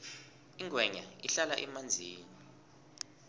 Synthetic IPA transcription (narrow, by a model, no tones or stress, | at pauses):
iŋɡʱwɛɲa̰iɬalaʔɛmand͡zʱiːnii